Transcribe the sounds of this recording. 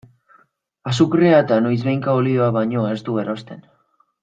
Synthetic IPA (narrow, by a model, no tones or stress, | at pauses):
asukɾeaet̪anojzβe̞jŋkaolioaβaɲo̞e̞st̪ue̞ɾo̞st̪e̞n